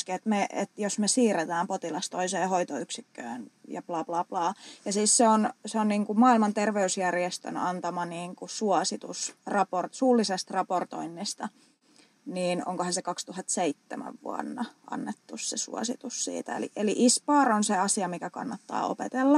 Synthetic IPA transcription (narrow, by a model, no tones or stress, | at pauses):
skiet̪meḛt̪josmesiːret̪æːmpot̪ilɑst̪oiseːhoit̪oyksikːø̰ːnjɑ̰plɑːplɑːplɑːjɑsiːsseonseonniːŋkumɑːilmɑnt̪erʋeysjærjest̪ø̰nɑnt̪ɑmɑniːŋkusuɑsit̪usrɑport̪suːlːisest̪rɑport̪o̰inːist̪ɑ | niːno̰ŋkohɑnsekɑkst̪uhɑt̪seit̪ːemæ̰ʋʋṵɑ̰nːɑʔɑ̰nːet̪ːussesṵɑ̰sḭt̪ussḭːt̪æ̰ḛlḭʔeliʔispɑːronseɑsiɑmikækɑ̰nːɑt̪ːɑ̰ːo̰pet̪elːɑ